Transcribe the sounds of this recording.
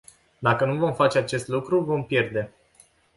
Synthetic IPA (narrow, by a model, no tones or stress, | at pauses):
d̪akənuvo̞mfat͡ʃe̞at͡ʃe̞st̪lukɾuvo̞mpje̞rd̪e̞